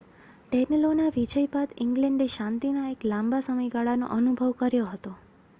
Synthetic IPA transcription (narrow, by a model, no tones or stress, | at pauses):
ʈɛnəlonaʋid͡ʒəjpad̪ɪ̃ŋɡlɛ̃ɳɖeʃãnt̪inaeklãmbasəməjɡaɭano̰ʔənubʱəʋkəɾjoɦət̪o